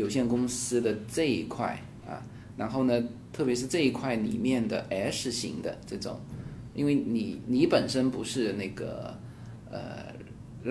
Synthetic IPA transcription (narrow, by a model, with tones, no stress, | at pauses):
jo˨˩ʊɕjɛ˥˩nkʊ˥ŋsɹ̩˥d̪ə˨ʈ͡ʂɤ˥˩i˧˥kʰwa˥˩ɪ | ɐ̰˧ | ɻa˧˥nxo˥˩ʊnə˩t̪ʰɤ˥˩pjɛ˥ʂ̬ɻ̩˥˧ʈ͡ʂɤ˥˧i˧˥kʰwa˥˩ɪnḭ˨˩mjɛ˥˩nd̪ə˩ʔɛ˧˥ʂɻ̩˥˩ɕḭ˧˥ŋd̪ə̰˧ʈ͡ʂɤ˥˩ʈ͡ʂʊ̰˨˩˦ŋḭ˥nwe˥˩ɪni˨˩˦ni˧˥pə˨˩nʂə˥npu˧˥ʂɻ̩˥˧na˥˩ɪɡə̰˩ | ə̰˧˩